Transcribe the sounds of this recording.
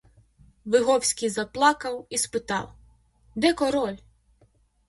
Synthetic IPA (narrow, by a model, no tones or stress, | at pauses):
ʋɪɦɔwsʲkʲijzɐplˠɑkɐwispɪt̪ɑ̰w | d̪ɛkɔɾɔlʲ